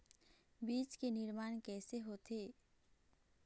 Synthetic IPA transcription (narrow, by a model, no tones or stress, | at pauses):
biːt͡ʃkenɪɾmaːnkɛːseɦoːt̪eː